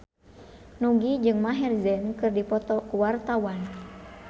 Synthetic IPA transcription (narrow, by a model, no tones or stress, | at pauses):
nuɡid͡ʒɨŋmaɦɛrzɛnkɨrdipɔt̪ɔkuwart̪awan